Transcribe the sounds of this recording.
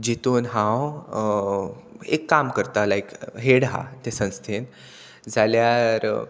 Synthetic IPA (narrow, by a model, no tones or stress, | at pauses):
d͡ʑit̪onɦãw | ḛkːamkəɾt̪alaekɦeɽɦa̰t̪esə̃ñst̪ʰen | d͡zaljaɾ